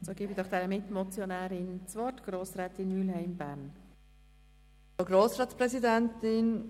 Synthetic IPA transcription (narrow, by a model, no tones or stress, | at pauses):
soːɡɪːbidɔχd̥ɛːɾəmɪt̪mɔt͡sjɔnæːɾɪnt͡sʋɔtɡ̥ɾoːsɾɛːt̪ɪnyːlɦhɛɪmbæːɾn | oɡɾoːsɾɑːtspɾɛsid̪æntɪn